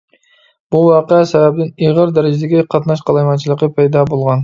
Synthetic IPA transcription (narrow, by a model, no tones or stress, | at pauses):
b̥uwɑːqəɛsɛvæb̚d̪ɪneʁəɾd̪æɾɪd͡ʒɪd̪ɪɡʲɛqʰɑt̪nɑʃ̬qʰɑlˠɑjmɑnt͡ʃʰilˠəqːəpʰɛjd̪ɑbolˠʁɑn